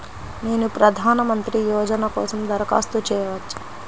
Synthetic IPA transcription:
ne̞ːnupɾɐd̪ʱaːnɐmɐnt̪ɾijɔːd͡ʒɐnɐkɔ̰ːsɐmd̪ɐɾɐka̰ːst̪ut͡ʃɛːjɐʋɐt͡ʃːu̥

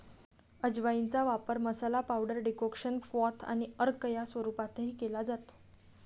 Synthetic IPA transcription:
əd͡ʑʋaint͡saʋapəɾməsalapawɖəɾɖikokɕənfɔt̪ʰa̰ɽ̃iəɾkəjasʋəɾupat̪ʰeɦiːkelad͡zat̪

